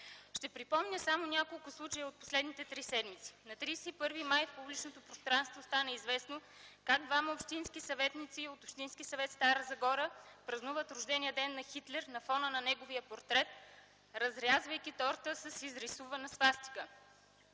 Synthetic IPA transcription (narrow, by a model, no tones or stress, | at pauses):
ʃt̪ɛpɾipɔmnʲəsamonʲakolˠkʊslˠut͡ʃəjəot̪̚po̥slɛd̪nit̪ɛt̪ɾisɛd̪mit̪si̥nɐt̪ɾijsɛipɤɾvimajfpublit͡ʃnot̪opɾost̪ɾanst̪vost̪anəizvɛsno | kaɡ̚d̪vaməopʃt̪inskisɐvɛt̪nit̪siot̪opʃt̪inskisɐvɛt̪st̪aɾəzɐɡɔɾəpɾɐznuvət̪ɾʊʒd̪ɛniəd̪ɛnːɐxit̪lɛɾnɐfɔnənɐnɛɡoviəpoɾt̪ɾɛt̪ | ɾɐzɾʲazvəjkʲit̪ɔɾt̪əsəsizɾisuvɐnəsvast̪i̥kə